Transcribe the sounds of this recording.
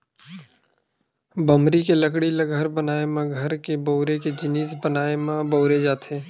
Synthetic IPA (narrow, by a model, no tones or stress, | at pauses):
bəmɾikeləkɽiləɡʱəɾbənaːemãɡʱəɾkeboʊɾeked͡ʒɪniːsbənaːemãboʊɾed͡ʒaːt̪ʰeː